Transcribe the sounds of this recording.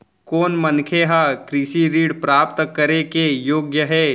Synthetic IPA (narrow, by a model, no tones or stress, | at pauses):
koːnmɐnkʰeɦakɾiʃiɾiːɽpɾaːpt̪kɐɾekejoːɡjəɦɛː